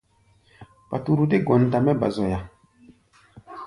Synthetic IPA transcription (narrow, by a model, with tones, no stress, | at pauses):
pa˨tu˨ɾu˨de˦ɡɔ˨n˨ta˨mɛ˦ba̰˨zɔ˨ja˨